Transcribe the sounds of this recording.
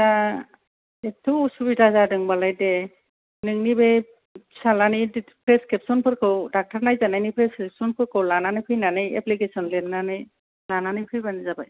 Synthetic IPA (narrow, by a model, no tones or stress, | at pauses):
a | etʰɯusubitazadɯŋbalajde | nɯŋnibe | salanidpʰɾeskʰɛpsɔnpʰɯɾkʰɯwdak̚taɾnajzanajnipʰɾɛskepsɔnpʰɯɾkʰɯwlananɯjkʰɯjnanɯjeplikesɔnlennanɯj | lananɯjkʰɯjbanizabaj